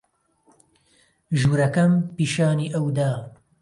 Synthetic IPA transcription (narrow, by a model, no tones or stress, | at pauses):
ʒuːɾɐkɐmpiːʃaːniːʔɐwd̪aː